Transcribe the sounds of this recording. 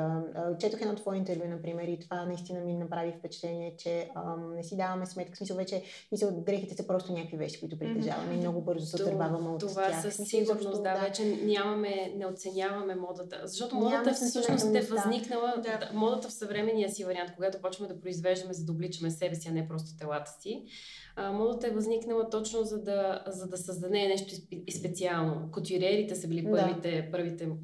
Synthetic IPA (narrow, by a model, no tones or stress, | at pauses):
ət͡ʃɛt̪əxɛd̪ɔt̪vɔjint̪ɛɾvʲjunɐpɾimɛɾit̪ovanɐist̪inəminɐpɾavifpɛt͡ʃɛ̥t̪ɛniɛt͡ʃɛənɛsid̪avɐmɛsmɛt̪kə̥smisəlˠvɛt͡ʃɛ | smisəlˠɡɾɛxit̪ɛsəpɾɔst̪onʲakokvivɛ̰ʃt̪i̥koʊit̪ʊpɾib̪lʲiʒa̰vɐ̰mɛimnɔɡʊbɤɾzosɛɐɾbavəmɛot̪ovaaxəssiɡuɾnosd̪avɛt͡ʃɛnʲamɐmɛnɛot̪sɛnʲjavɐmɛmɔd̪ət̪ə̰zɐʃt̪ɔt̪omɔd̪əəsɤʃnosɛvɐzniknəlˠəd̪amɔd̪ət̪əfsɐvɾɛmɛnːijəsivɐɾiant̪koɡat̪ʊpɔt͡ʃvmɛd̪ɐpɾoizvɛʒd̪ɐmɛzɐd̪əoblit͡ʃɐmɛsɛbɛsiɐnɛpɾɔst̪o̥t̪ɛlˠat̪ə̥si | əmɔd̪ət̪əɛvɐzniknəlˠɐt̪ɔt͡ʃnozɐd̪ɐzɐd̪ɐsəzd̪ɐnɛnɛʃt̪oispɛt̪sialˠnokot̪ʲiɾɛɾit̪ɛsəbilipɤɾvit̪ɛpɤɾvit̪ɛ